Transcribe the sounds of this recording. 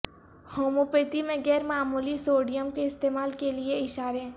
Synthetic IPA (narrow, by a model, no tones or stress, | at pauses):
hoːmupeːt̪imẽɡɛːɾmaːmuːlisoːɖijəmkeɪst̪eːmaːlkelieɪʃaːɾeɦɛ̃ː